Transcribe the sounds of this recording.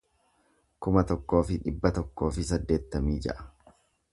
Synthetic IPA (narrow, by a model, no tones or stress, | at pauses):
kʊmɐt̪ɔkːo̞ːfɪᶑɪbːɐt̪ɔkːo̞ːfɪsɐd̪ːe̞ːt̪ːɐmiːd͡ʒɛ̰ʔɐ̥